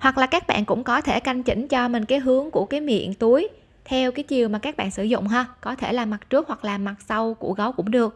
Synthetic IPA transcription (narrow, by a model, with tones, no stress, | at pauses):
hwa˨˩k̚laː˨˩kaː˦˥k̚ɓa̰ː˧˨nkʊ̰˧˥ŋ͡mkɔ˨˦t̪ʰe˧˩ka˧jŋ̟t͡ɕï˧˩ŋ̟t͡ɕɔ˧mï˨˩ŋ̟kaː˨˦jɦɨ˨˦əŋku˧˩əkaː˨˦jmḭ˧˨ənt̪u˨˦əj | t̪ʰɛ˧wkaː˨˦jt͡ɕi˨˩əwmaː˨˩kaː˦˥k̚ɓa̰ː˧˨nsɨ̰˧˩zʊ̰˧˨ŋ͡mɦəː˧kɔ˨˦t̪ʰe˧˩laː˨˩ma˨˩t̚t͡ɕɨ˦˥ək̚hwa˨˩k̚laː˨˩ma˨˩t̚sa˧wkṵ˧˩ɣɔ˨˦wkʊ̰˧˥ŋ͡mɗɨ˨˩ək̚